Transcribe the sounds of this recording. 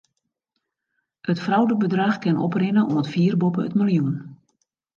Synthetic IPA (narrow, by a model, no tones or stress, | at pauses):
ətfrawdəbədraxkɪnʔɔ̰prɪnəʔɔmətfiːərbopəə̰tmɪljun